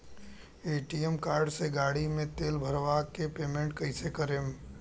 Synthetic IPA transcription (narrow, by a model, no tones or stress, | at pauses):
eːʈiɛmkaːɾɖseɡaːɽimẽt̪eːlbʱəɾʋakepeːmẽɳʈkəɪsekəɾem